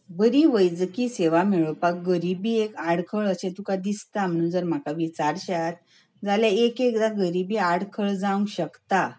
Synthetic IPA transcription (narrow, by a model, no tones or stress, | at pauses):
bəɾiːʋəjd͡zkiːseʋamiɭopak̚ɡəɾibiːekaɽkʰəɭəsẽt̪ukad̪ist̪am̤əɽ̃ũnd͡zəɾm̤akaʋit͡saɾɕat̪̚ | d͡zaljaekekd̪aɡəɾibiːaɽkʰəɭd͡zãũŋɡɕəkt̪a